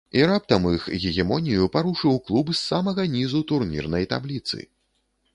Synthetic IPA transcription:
iɾap̚t̪ɐmixɣʲiɣʲɛmɔnʲijupaɾuʂɨwklˠubsːamɐɣɐnʲizut̪urnʲḭrnɐjt̪a̰blʲit̪sɨ̰

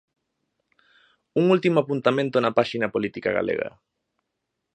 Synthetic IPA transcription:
uŋult̪imoapunt̪amẽnt̪onapaʃinapolit̪ika̰ɣa̰lʔḛɣa̰

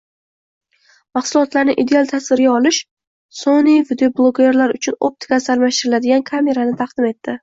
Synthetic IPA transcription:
mɑχsʊlˠɒt̪laɾnɪʔid̪e̞alˠt̪ʰasɪɾɡʲaɒlɪʃ | sonijvid̪joblˠoɡe̞ɾlaɾʊt͡ʃʰʊnop̚t̪ʰɪ̥kasaɾmaʃt̪ɪɾɪlad̪ɪɡʲankʰame̞ɾanɪt̪ʰɑqd̪̥ɪme̞t̪ʰːɪ

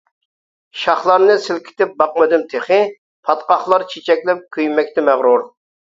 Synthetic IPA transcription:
ʃɑχlˠɑɾnɨsɪlkʲʰɪ̥t̪ɪp̚bɑqmɨd̪ymt̪ʰeχɪ | pʰɑt̪qɑχlˠɑɾt͡ʃʰet͡ʃʰɛkʲlɛp̚kʲʰøjmɛkʲt̪ɛmæʁɾuɾ

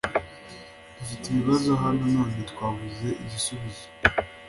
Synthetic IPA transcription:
izitiβazaɦanonoːnetwaːvuze̞ʔiɟisuβizo̥

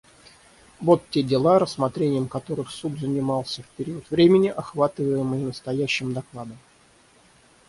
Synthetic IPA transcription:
vo̞t̪tʲedʲɪlˠaɾəsːmɐt̪ɾʲenʲɪjəmkɐt̪o̞ɾɨxsut̪zənʲɪmɑlˠsʲəfpʲɪɾʲiot̪vɾʲemʲɪnʲɪʔɐxvat̪ɨvəjɪmɨjnəst̪ɐjæɕːɪmd̪ɐklˠad̪əm

